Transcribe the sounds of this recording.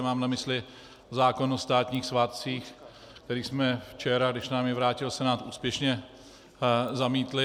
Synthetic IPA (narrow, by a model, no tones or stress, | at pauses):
maːmnamɪslɪ | zaːkonost̪aːt̪ɲiːxsvaːt̪̚t͡siːx | kt̪ɛɾiːsmɛft͡ʃɛɾaɡdɪʃnaːmjɛvɾaːcɪlsɛnaːt̪ʔuːspjɛʃɲɛ | zamiːt̪lɪ